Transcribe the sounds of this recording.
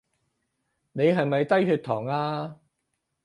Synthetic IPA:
ne˨˧jɦɐ˨jmɐ˨jt̪ɐ˥jhyː˧t̪ʰɔː˨˩ŋaː˧

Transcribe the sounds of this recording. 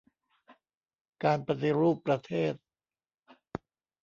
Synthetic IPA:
kaː˧npa˧t̪i˧ɾuː˥˩pːɾa˧t̪ʰeː˥˩t̪̚

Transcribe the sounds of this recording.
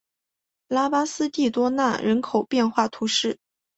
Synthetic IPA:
la˥pa˥sɹ̩˥t̪i˥˩t̪wɔ˥na˥˩ɻə˧˥nkʰo˨˩ʊpjɛ˥˧nxwa˥˩t̪ʰu˧˥ʂɻ̩˥˩

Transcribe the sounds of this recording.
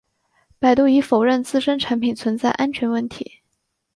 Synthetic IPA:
pa˨˩ɪt̪u˥˩i˧˥fo˨˩ʊɻə˥˧nt͡sɹ̩˥˩ʂə˥nʈ͡ʂʰa˧˥npʰi˨˩nt͡sʰwə˧˥nt͡sa˥˩ɪʔa˥nt͡ɕʰɥɛ˧˥nwə˥˩nt̪ʰḭ˧˥

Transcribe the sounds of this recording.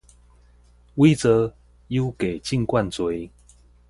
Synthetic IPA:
wi˦t͡sə˨˦ | ju˦ʊke˨˩ɪt͡ɕi˥˨ŋkwa˥˨nt͡swe˨˦j

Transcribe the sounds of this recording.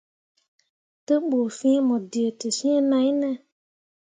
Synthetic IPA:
te˦m˦ɡ͡bo˨fĩ˦e˦mɔ̃˨di˨e˨te˨sĩ˦e˦nã˨˦ɲ˦nɛ̃˦

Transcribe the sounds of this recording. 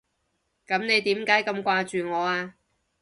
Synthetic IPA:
kɐ˨˥mne˨˧jt̪iː˨˥mkaː˨˥jkɐ˧mkʷaː˧t͡ʃyː˨ŋɔː˨˧aː˧

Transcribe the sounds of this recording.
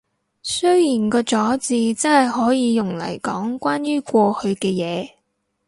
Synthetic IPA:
sɵ˥ɥjiː˨˩nkɔː˧t͡ʃɔː˨˥t͡siː˧t͡sɐ˥nhɐ˨jɦɔː˨˥jiː˨˧jʊ˨˩ŋlɐ̰˨˩jkɔː˨˥ŋkʷaː˥njyː˥kʷɔː˧hɵ˨˧ɥkɛː˧jɛː˨˧

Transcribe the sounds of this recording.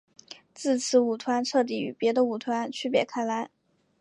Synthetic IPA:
t͡sɹ̩˥˩t͡sʰɹ̩˧˥u˨˩t̪ʰwa˧˥nʈ͡ʂʰɤ˥˧t̪̬i˥˩y̰˨˩pjɛ˧˥d̪ə˧u˨˩t̪ʰwa˧˥nt͡ɕʰy˥˩pjɛ̰˧˩kʰa˥ɪla˧˥ɪ

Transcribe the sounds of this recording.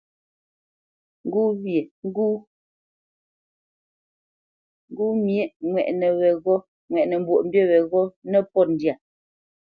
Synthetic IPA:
ŋ̩˦ɡuː˦βje˨ŋ˦ɡuː˦ | ŋ˦ɡuː˦mje˦ʔŋwɛ˨ʔnə˨wɛ˨ɣɔ˦ | ŋwɛ˨ʔnɛ˨m̩˦bwo˨ʔm̩˦bje˦˨wɛ˨ɣɔ˦nɛ˦pɔ˦˨n̩˨dja˨

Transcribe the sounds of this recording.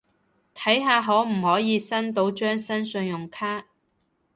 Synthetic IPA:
t̪ʰɐ˨˥jɦaː˧ɦɔː˨˥m̩˨˩hɔː˨˥jiː˨˧sɐ˥nt̪o˧˥wt͡ʃœː˥ŋsɐ˥nsɵ˧njʊ˨˩ŋkʰaː˥

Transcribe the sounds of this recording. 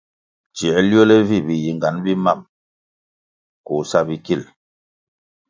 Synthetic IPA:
t͡ʃjɛ˨ljɔ˦lɛ˦vi˦˨bi˨ji˨ŋɡa˨˦nbi˦ma˦˨m | ku˨sa˦bi˦ki˦˨l

